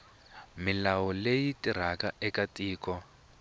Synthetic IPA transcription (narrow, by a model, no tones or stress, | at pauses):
milawɔlejitʼir̤akaɛkatʼiːkɔ